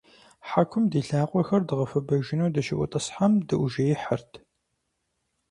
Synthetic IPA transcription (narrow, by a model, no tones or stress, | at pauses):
ħakʷʰʊmdiːɬaːqʷʼɔxɐrdɨʁɐfɐbɐʒɪnuːdɐʃɪʔʷʊ̰tʼɐsħamdɨʔʷʒɐjɪħərtʰ